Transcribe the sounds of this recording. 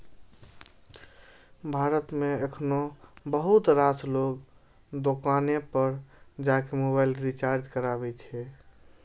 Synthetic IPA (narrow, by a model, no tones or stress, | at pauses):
bʱaɾət̪meekʰnobəɦut̪ɾasloɡ | d̪okanepəɾd͡ʒakemobajlɾit͡ʃaɾd͡ʒkəɾabɛt͡ʃʰɛ